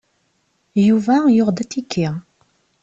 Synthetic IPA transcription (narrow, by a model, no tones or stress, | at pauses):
juvæjʊʁd̪æt̪ːikʰːi